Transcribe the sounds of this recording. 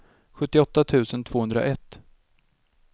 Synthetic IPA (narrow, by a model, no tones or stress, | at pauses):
ɧɵt̪ːɪɔt̪ːat̪ʰʉ̟ːsənt̪ʰv̥oːɵnd̪ɾa̰ʔɛt̪ː